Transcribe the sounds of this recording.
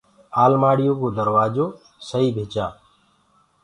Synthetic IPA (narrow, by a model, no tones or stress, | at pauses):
aːlmaːɽɪjoːkoːd̪əɾʋaːd͡ʒoː | səɦiːbʱeːt͡ʃaː